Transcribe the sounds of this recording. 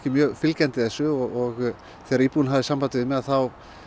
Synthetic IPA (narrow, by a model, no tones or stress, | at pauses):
cɪmjœːɣfɪlcɛnt̪ɪθɛsʏɔɣɔɣ | θɛːɾiːpuɪnɦavðɪsampat̪ɪðɪmɛðaθaw